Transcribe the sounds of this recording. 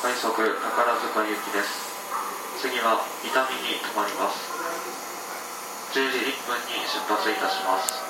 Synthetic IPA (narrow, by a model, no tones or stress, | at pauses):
aĩso̞kɯ̟nakaɾazɨkaijɯ̟kʲid̪e̞sɨ̥ | t͡sɨɡʲiβamʲit̪amʲiɲ̟it̪omaɾʲimasɨ̥ | d͡ʑɨːʑiipːɯ̟̃ɲːiɕɨpːat͡sɨit̪aɕimasɨ̥ɨ̥